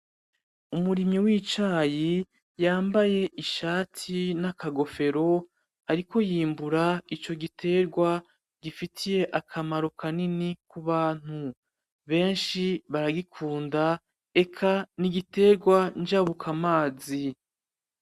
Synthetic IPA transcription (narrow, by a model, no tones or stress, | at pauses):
umuɾimɲiwiːt͡ʃaːji | jaːmbaje̞ʔiʃaːtʰinakaɡo̞fe̞ɾo̞ | aɾiko̞jiːmbuɾait͡ʃo̞ɡitʰe̞ːɾɡwa | ɡ̥ifitʰije̞ʔakʰamaɾo̞kʰaninikuβaːn̥u | βe̞ːnʃiβaɾaɡikʰuːnda | e̞kʰaniɡite̞ːɾɡwand͡ʒaβukʰamaːzi